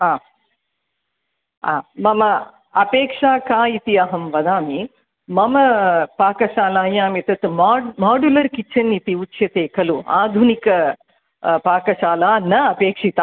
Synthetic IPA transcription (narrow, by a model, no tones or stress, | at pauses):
aː | a̰ːmɐmɐ | ɐpeːkʂaːkaːit̪iɐɦɐmʋɐd̪aːmi | mɐmɐpaːkɐʃaːlaːjaːmit̪ɐt̪mːmaːɖulɐɾkit͡ʃʰɐnit̪iut͡ʃːʃjɐt̪eːkɐluaːd̪ʱunikɐ | paːkɐʃaːlaːnɐɐpeːkʂit̪aː